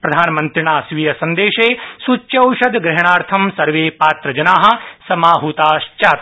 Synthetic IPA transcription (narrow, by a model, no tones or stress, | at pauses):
pɾɐd̪ʱaːnmɐnt̪ɾiɳaːsʋijɐsɐnd̪eːʃeːsut͡ʃːɐwʃɐd̪ɡɾɛɦɽ̃aːɾt̪ʰɐmsɐɾʋeːpaːt̪ɾɐd͡ʒɐnaːɦɐ̆sɐmaːɦuːt̪aːʃt͡ʃaːt̪